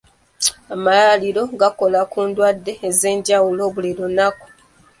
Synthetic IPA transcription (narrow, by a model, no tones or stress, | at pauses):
amalaaliɾo̞ɡako̞lakuːndwadːe̞ːze̞ːɲɟawulo̞ːβuliɾonaku̥